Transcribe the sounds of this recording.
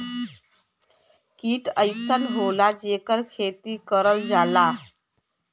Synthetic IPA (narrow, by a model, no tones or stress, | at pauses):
kiːʈəjsənɦolad͡ʑekəɾkʰet̪iːkəɾəld͡zala